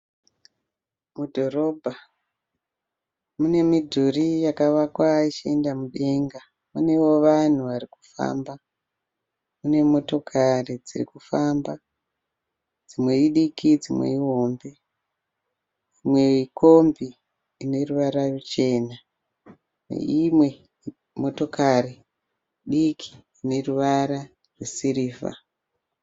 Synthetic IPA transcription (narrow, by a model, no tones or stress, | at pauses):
mudʱo̞ɾo̞bʱa | mune̞midʱurijakaʋakwait͡ʃiendamuɗe̞ŋɡa | mune̞wo̞ʋan̤uʋariku̥fa̰ːmba | mune̞mo̞to̞kʰarid͡zirḭkufamba | d͡zimwe̞iɗikid͡zimwḛiɦo̞mbe̞ | imwe̞ikʰo̞mbiː | ne̞ruʋaɾarut͡ʃe̞ːna | nḛimwe̞ | mo̞to̞kari | ɗikʰi̥ː | ne̞ruʋaɾa | rwesiɾiːfa̰